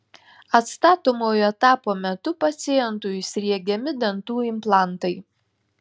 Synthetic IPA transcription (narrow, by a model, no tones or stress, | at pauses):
ɐt̪st̪ɑːt̪oːmoːjoːɛt̪ɑːpoːmʲɛt̪ʊpɐt̪sʲɪjɛnt̪ʊjsʲɾʲiɛɡʲɛmʲɪd̪ʲɐnt̪uːɪmplˠɑˑnˑt̪ɐɪ